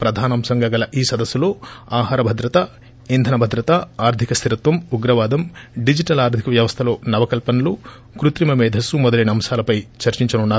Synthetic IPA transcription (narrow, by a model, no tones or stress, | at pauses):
pɾɐd̪ʱaːnɐmsɐŋɡɐɡɐlɐʔiːsɐd̪ɐsːulo̞ːaːɦaːɾɐbʱɐd̪ɾɐt̪ɐ | ind̪ʱɐnɐbʱɐd̪ɾɐt̪ɐaːɾd̪ʱikɐst̪ʰiɾɐt̪ʋɐmuɡɾɐʋaːd̪ɐmɖid͡ʒiʈɐlaːɾd̪ʱikɐʋjɐʋɐst̪ʰɐlo̞ːnɐʋɐkɐlpɐnɐlu | kɾut̪ɾimɐmɛːd̪ʱɐsumɔd̪ɐlɐːniɐmʃaːlɐpɐjt͡ʃɐɾt͡ʃiɲt͡ʃɐnunːaːɾu